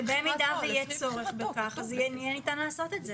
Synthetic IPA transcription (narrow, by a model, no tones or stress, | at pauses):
bemid̪azejɛt͡soʁeχbekaχazjɛnijɛnit̪anlaːsot̪et̪ze